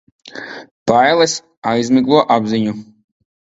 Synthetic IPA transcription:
pajlˠɛs | ajzmiklˠuɔʔabziɲu

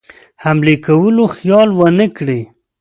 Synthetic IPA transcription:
hamlekawəloxjɑlwənəkɽe

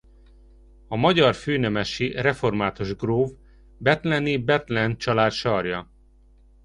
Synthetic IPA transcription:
ɒmɒɟɒrføːnɛmɛʃirɛfo̞rmaːt̪oʒɡroːv | bɛt̪lɛnibɛt̪lɛnt͡ʃɒlaːt̪ʃɒrjɒ

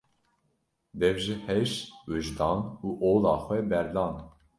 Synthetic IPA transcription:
d̪ɛvʒɨhɛʃwɨʒd̪ɑːnuːʔoːlɑːxʷɛbɛɾd̪ɑːn

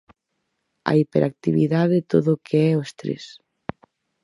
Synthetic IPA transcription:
a̰ipeɾʔak̚t̪iβiðaðet̪oðokʰeɛoest̪ɾḛs

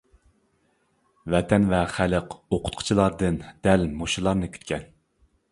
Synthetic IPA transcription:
vɛt̪ʰɛnvɛχæləqoqʰʊ̥t̪̚qʰʊ̥t͡ʃʰilˠɑɾd̪ɨnd̪ɛlmoʃulˠɑɾnɨkʰʲy̥t̪kʲʰɛn

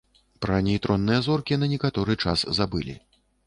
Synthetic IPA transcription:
pɾɐnʲɛjt̪ɾɔnːɨjɐzɔrkʲinɐnʲɛkat̪ɔɾɨt͡ʂa̰szabɨlʲḭ

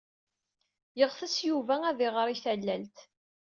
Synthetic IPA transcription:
jəʁθæsjuvææðɪʁəɾˤiθælːælt̪

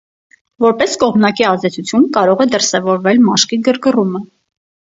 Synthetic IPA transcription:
vɔɾpɛskɔʁmnɑkiɑzd̪ɛt͡sʰut͡sʰjunkɑɾɔʁɛd̪əɾsɛvɔɾvɛlmɑʃkiɡəɾɡərumə

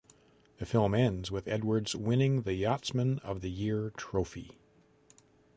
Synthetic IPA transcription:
ðɨfɪlˠmɛ̃ndzwɨðɛd̚wə˞dzwɪ̃nɪ̃ŋðɨjɑtsmɨ̃nʌ̰vðɨjɪɹtʰɹ̥oʊfi

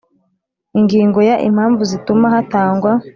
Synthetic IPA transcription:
iŋɡiːŋɡo̞jaʔḭm̥haːɱvuzitumahataːŋɡwa

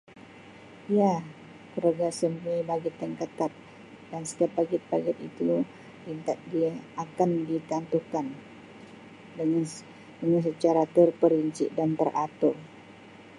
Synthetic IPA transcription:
ija | kəɾaɡasəmuajbaɡɪt̪ːəŋkət̪at̪̚ | dansə̥t̪iap̚baɡɪt̪̚baɡɪt̪̚it̪u | lint̪at̪̚diaːkandit̪ant̪ukan | dəan | dəŋansət͡ʃaɾat̪ərpəɾiɲt͡ʃɪ̰ʔdant̪ərʔat̪o

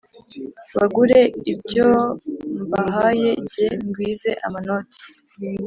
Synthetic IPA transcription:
βaɡuɾe̞ibɟombaɦaje̞ɟeŋɡwiːze̞ʔa̰manoːtʰe̥

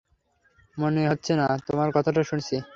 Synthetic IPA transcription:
moneɦɔtːɕʰenat̪omaɾkɔt̪ʰaʈ̬aʃunt͡ɕʰi

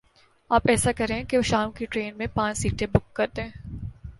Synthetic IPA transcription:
aːpɛːsakɐɾẽɛ̃keoʃaːmkiʈɾeːnmẽpãːt͡ʃsiːʈʰebʊkːɐɾt̪eɦɛ̃ː

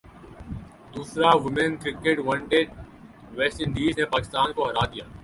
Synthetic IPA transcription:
d̪uːsɾaːʋɪmenkɾɪkeːʈʋə̃ɳʈeːɖ | ʋeːsʈɪɳɖiːzneːpaːkɪst̪aːnkoːɦəɾaːd̪ɪjaː

